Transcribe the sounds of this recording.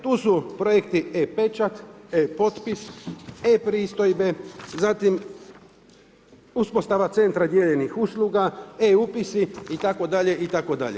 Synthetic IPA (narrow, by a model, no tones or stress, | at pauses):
t̪uːsupɾojekt̪iepe̞t͡ʃat̪epo̞t̪pisepɾiːst̪o̞jbe̞zat̪im | uspost̪aʋat̪se̞nt̪ɾad̪jeʎe̞nixuslˠuɡaeupisiit̪ako̞d̪aʎe̞ʔit̪ako̞d̪a̰ʎe